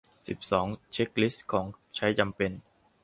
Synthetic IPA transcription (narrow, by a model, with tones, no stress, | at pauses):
si˨˩p̚sɔː˩˦ŋt͡ɕʰe˦˥k̚li˦˥skʰɔː˩˦ŋt͡ɕʰa˦˥jt͡ɕa˧mpe˧n